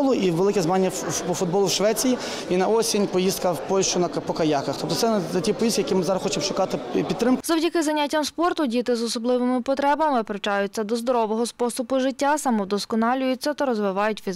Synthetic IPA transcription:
lˠʊʔiʋelˠɪkʲɛzmanʲːɐpɔfʊd̪bɔlˠʊwʃʋɛt͡sʲiji | inɐɔsʲinʲpɔjist̪kɐwpɔlʲʃt͡ʃʊnɐpɔkɐjakɐxt̪ɔp̚t̪ɔt̪sɛɛtʲipɔjiskʲijɐkʲimɪzɑɾɐzxɔt͡ʃɪmʃʊkɑt̪ɪpʲit̪t̪ːɾɪmkzɔwdʲɐkɪzɐnʲːatʲːɐmspɔrt̪ʊdʲit̪ɪzɔsɔblˠɪʋɪmɪpɔt̪ɾɛbɐmɪpɾet͡ʃɑjʊt͡sʲːɐd̪ɔzd̪ɔɾɔʋɔɦɔspɔsʊbʊʒɪtʲːasɐmɔwd̪ɔskɔnɑlʲʊjʊt͡sʲːɐt̪ɐɾɔzʋɪʋɑjʊtʲfʲiz

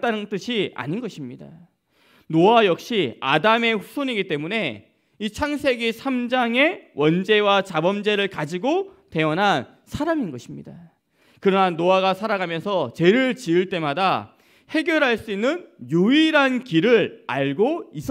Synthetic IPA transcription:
t͈anɯnt͈ɯɕʰia̰ɲinɡʌɕʰimɲida | noajʌk̚ɕ͈ia̰dame̞ɸu̥sʰoɲiɡit͈e̞mune̞ | it͡ɕʰaŋsʰe̞ɡisʰamd͡ʑaŋe̞wʌnd͡ʑe̞wat͡ɕabʌmd͡ʑe̞ɾɯɭkad͡ʑiɡote̞ʌnɦan | sʰaɾaminɡʌɕʰimɲida | kɯɾʌnanːoaɡasʰaɾaɡamjʌnsʰʌt͡ɕe̞ɾɯɭt͡ɕiɯɭt͈e̞mada | he̞ɡjʌɾɦaɭs͈uinːɯnjuiɾankiɾɯɾaɭɡois͈ʌ

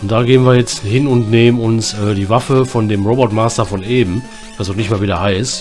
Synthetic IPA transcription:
ʊntd̥aːɡeːənviːɐjɛt͡sthɪnʊntneːmənʊnsʔɛːdiːvafəfɔndeːmʁoːbɔtmaːstɐfɔneːbm̩ | v̥asnɔʊχnɪçtmaːlviːdeɐhaɪst

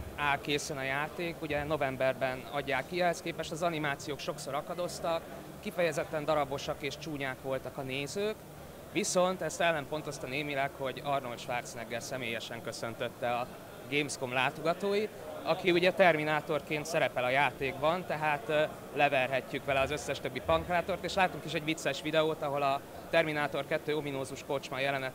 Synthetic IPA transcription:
aːlkeːsɛnɒjaːt̪eːkuɟɛno̞vɛmbɛrbɛnɒ̰ɟːaːkːiɛɦɛskeːpɛʃt̪ɒzɒnimaːt̪sijoːkʃo̞kso̞ɾɒkɒd̪o̞st̪ɒkː | ifɛjɛzɛt̪ːɛnd̪ɒɾɒbo̞ʃɒkeːʃt͡ʃuːɲaːkʋo̞lt̪ɒkɒneːzøːk | ʋiso̞nt̪ɛst̪ɛlːɛmpo̞nt̪o̞st̪ɒneːmilɛkho̞ɟɒrno̞lʃʋaːrt̪snɛɡːɛlsɛmeːjɛʃɛŋkø̞sø̞nt̪øt̪ːɛɒ | ɡeːmskomlaːt̪o̞ɡɒt̪oːjit̪ɒkiuɟɛt̪ɛrminaːt̪o̞rkeːnt̪sɛɾɛpɛlɒjaːt̪eːɡbɒnt̪ɛɦaːt̪ | lɛvɛrɦɛcːykʋɛlɛɒzø̞sːɛʃt̪øbːipɒŋkraːt̪o̞rt̪eːʃlaːt̪uŋkiʃɛɟʋit̪sːɛʃʋid̪ɛoːt̪ɒɦo̞lɒ | t̪ɛrminaːt̪o̞rkɛt̪ːøːominoːzuʃko̞t͡ʃmɒjɛlɛnɛ

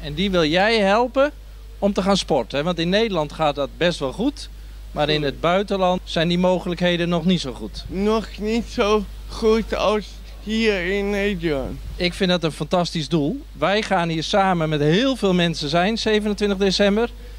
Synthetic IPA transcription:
ɛndiʋɪlˠjɛjɦɛlˠpə | ɔmtəχaːnspɔrtəɛʋɑntɪnːeːdəlɑntχaːt̚dɔt̚bɛstʋɔlˠχut | maːɾɪnəd̚bœɥtənlɑntsɛjndimoːχələkɦejdənːɔχnitsowχutnɔxnitsoː | χutɑ̰ls | hiːɹɪnːednɪkfɪndɔtənfantɑstizdulˠ | ʋɛjχaːnɦiːrsaːmənmɛtɦɪːlˠvɪːlˠmɛnsəzɛjnseːvənəntʋɪntəχdesɛmbər

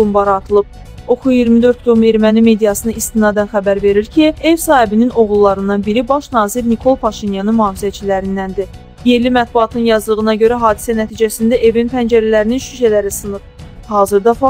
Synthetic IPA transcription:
umbɑɾɑɾt̪ʰɯlˠɯb̚ | o̞kʰujijiɾmid̪ø̞ɾt̪̚ɡ̪ome̞ɾmænime̞d̪ijɑsɯnɯist̪inɑd̪ænxæbæɾve̞ɾiɾcʰie̞vsɑːhibinino̞ɣulˠːɑɾɯnd̪ɑnbiɾibɑʃnɑːziɾnikʰo̞lˠpʰɑʃinjɑnɯnmuhɑːvizæt͡ʃʰilæɾind̪ænd̪i | je̞limæt̪̚buɑt̪ʰnɯnjɑzɯlˠɯʁɯnɑɟø̞ɾæɦɑːd̪i̥sænæt̪ʰiːd͡ʒæsind̪æʔe̞vinpʰænd͡ʒæɾælæɾininʃyʃælæɾisɯnɯp̚hɑːzɯɾd̪ɑfɑ

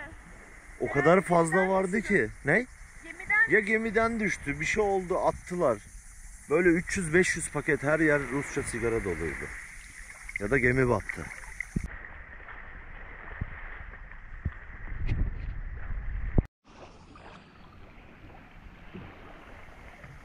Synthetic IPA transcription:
o̞kʰad̪aɾfazlˠavaɾd̪ɯcʰɪnej | jaɟe̞mid̪ænd̪yʃt̪ʰybiʃɛjo̞lˠd̪uat̪ʰːɯlˠaɾ̥ | bø̞jlʲɛyt͡ʃjyzbɛʃjyz̥pʰacʰɛt̪hɦæɾjæɾːust͡ʃʰasiɟaɾad̪o̞lˠa̰jd̪ˠɯ̰ | jad̪aɟe̞miba̰t̪ʰːɯ̰

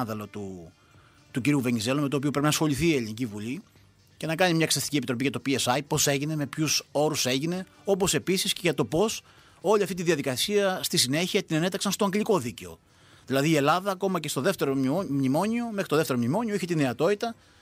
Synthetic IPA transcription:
ðelo̞t̪u | t̪uciɾiuve̞nize̞lome̞t̪oːp̬io̞pɾepinɐsxo̞liθiːelinicivuli | ce̞nɐkɐɲimɲɐksɐst̪icʲiepit̪ɾo̞piʝɐt̪o̞piesɐjpo̞se̞ʝine̞me̞pçuso̞ɾuse̞ʝine̞ | o̞po̞se̞pisisceʝɐt̪o̞po̞s | o̞lʲiɐft̪it̪iðiɐðikɐsiɐst̪isine̞çiɐt̪inene̞t̪ɐksɐnst̪oɐŋɡliko̞ðice̞o̞̰ | ðilɐðiːe̞lɐðɐːko̞mɐcest̪o̞ðe̞ft̪e̞ɾo̞mnimo̞ɲio̞me̞xɾit̪oðeft̪eɾomnimo̞ɲioiçet̪ine̞ɐt̪o̞t̪it̪ɐ

